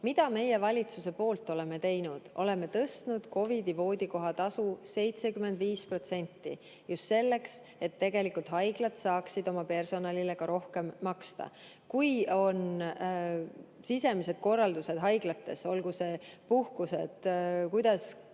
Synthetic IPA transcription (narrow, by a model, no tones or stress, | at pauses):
mid̪̥ɑme̞je̞vɑlʲit̪suse̞po̞ːlt̪ːˑo̞le̞me̞t̪e̞jnud̪̥o̞̰le̞me̞t̪ɤst̪nud̪̥ko̞vid̪ivo̞ːd̪̥ʲiko̞ɦɑt̪ɑsuse̞jt̪sekymend̪viːspro̞t̪se̞nʲt̪ˑːi | just̪se̞lːe̞ks | e̞t̪ːe̞ɡe̞likult̪ɦɑjɡ̥lɑt̪sɑːksid̪o̞mɑpe̞rso̞nɑlile̞kɑɾo̞hke̞mːɑkst̪ɑ̰ | kujo̞n | sise̞mise̞d̪̥ko̞rːɑld̪use̞d̪̥ɦɑjɡ̥lɑt̪ːe̞so̞lɡuse̞puhkuse̞t̪kujd̪̥ɑs